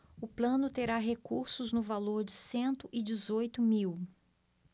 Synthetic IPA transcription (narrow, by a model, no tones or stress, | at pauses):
ʊplɐ̃nʊt̪eɾaɦekuɾsʊznʊvaloɾd͡ʒɪsẽnt̪ʊʔɪd͡ʒɪzojt̪ʊmiw